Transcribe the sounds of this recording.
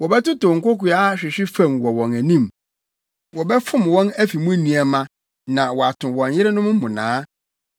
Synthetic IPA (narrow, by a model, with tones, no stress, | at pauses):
wɔ˨bɛ˦tʊ˦tʊ˨ŋ̩˨ko˦ku˨a˦ɕᶣɪ˨ɕᶣɪ˦fæ̃˦˨mwɔ˨wɔ̃˨næ˨nĩ˦m | wɔ˨bɛ˦fʊ̃˦mwɔ̃˦næ˦fi˨mʊ̃˦nĩ˨æ˨mã˨ | nã˨wɔ˨a˨tʰʊ̃˨wɔ̃˨ɲjɪ˦ɾɪ˦nʊ̃˦m̩˦mʊ̃˨nãː˦